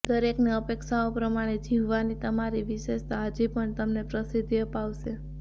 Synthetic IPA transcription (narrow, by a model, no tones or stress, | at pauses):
d̪əɾekneəpekʃaopɾəmaɽ̃ed͡ʒiʋʋanit̪əmaɾiʋɪʃeʃt̪aɦəd͡ʒipəɳt̪əmnepɾəsid̪ʱiəpaʋʃe